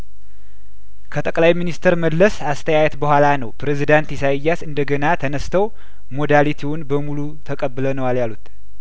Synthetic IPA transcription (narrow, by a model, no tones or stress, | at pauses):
kʰət̪ʼəkʼlajminist̪ʰəɾməlːəsast̪ʰəjajɛt̪bəhʷalanəwpɾezid̪ant̪isajjːasɨnd̪əɡənat̪ʰənəst̪ʰəw | mo̞d̪alit̪ʰiwʊnbəmulu | t̪ʰəkʼəbːɨlənəwaljalut̪